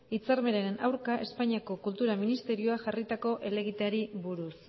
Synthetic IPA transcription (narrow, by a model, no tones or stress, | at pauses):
it͡saɾme̞ɾeɾenʔawɾkaʔe̞spaɲiako̞kult̪uɾaminist̪e̞ɾio̞aʝarit̪ako̞ʔe̞le̞ɣit̪eaɾiβuɾus